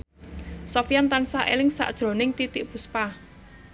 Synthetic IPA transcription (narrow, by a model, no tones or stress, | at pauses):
sɔfijant̪ansaʔḛlɪŋsa̰ʔd̥ʒ̥ɾo̤nɪŋt̪it̪ɪʔpuspa